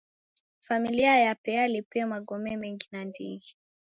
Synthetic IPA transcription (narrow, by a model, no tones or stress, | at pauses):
familiajapɛalipɛamaɡɔmɛmɛŋɡinandḭɣi